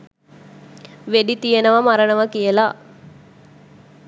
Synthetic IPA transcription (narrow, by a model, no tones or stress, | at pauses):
ʋeɖit̪ijenəʋamaɾənəʋəkijəla